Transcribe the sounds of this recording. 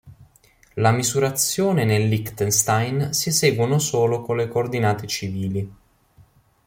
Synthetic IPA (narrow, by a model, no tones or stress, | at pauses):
lamizuɾat̪sːjoːnenelːikt̪enst̪ajnsisɛːɡwonosoːlokonlekoːrd̪inaːt̪et͡ʃiviːli